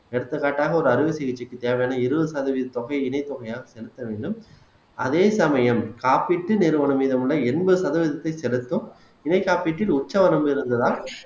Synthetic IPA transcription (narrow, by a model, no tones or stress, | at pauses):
ɛɽɯt̪ːɯkːaːʈːaːɣɐɔɾɯɐɾɯʋɯsɪɣɪt͡ʃːɪkːɯt̪eːʋɐjaːnɐɪɾɯʋɐɯsɐðɐʋɪðɐt̪ːɔɣɐɪɪnɐɪt̪ːɔɣɐjaːɣɐsɛlɯt̪ːɐʋeːɳɖɯm | ʔɐðeːsɐmɐjɐmkaːpiʈːɯnɪɾɯʋɐɳɯmiːðɐmɯɭːɐɛnbɯɯsɐðɐʋɪðɐt̪ːɐɪsɛlɯt̪ːɯm | ɪnɐɪkːaːpiːʈːɪlʊt͡ʃːɐʋɐnɐmbɪɾɯnd̪ɐðaː